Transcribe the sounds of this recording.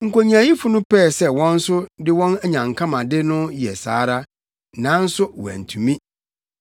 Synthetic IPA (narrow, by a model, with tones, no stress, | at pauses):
ŋ̩˨kʰo˨ɲ˦ã˨ji˦fʊ˦nʊ̃˦pʰɛ˦˨sɛ˦wɔ̃˦n̩˦sʊ˦dɪ˦wɔ̃˦næ˦ɲã˨ŋkʰã˦mã˨dɪ˦nʊ̃˦jɛ˨sa̰ː˨˦ɾa˦ | nã˨˦n̩˦sʊ˦wæ̰̃˨n̩˨tʰũ˨mĩ˦